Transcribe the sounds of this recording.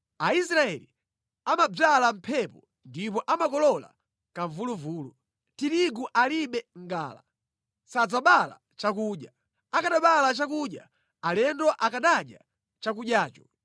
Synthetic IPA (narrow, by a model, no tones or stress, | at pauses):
aisɾaɛlḭ | amab͡ʐalam̩pʰɛpɔ | ndipɔʔamakɔlɔla̰ | kaɱvuluvuːlu | tiɾiɡuʔaliɓɛŋɡa̰ːla̰ | sad͡zaɓala̰ | t͡ʃak̬uːɗja | akaɗaɓalat͡ʃak̬uɗja̰ | alɛndɔʔakaɗaɗja̰ | t͡ʃak̬uɗjaːt͡ʃɔ̥